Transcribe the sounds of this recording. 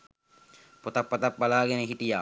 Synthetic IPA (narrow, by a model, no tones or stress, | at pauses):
pot̪apːat̪ap̚balaːɡɛnəɦiʈijaː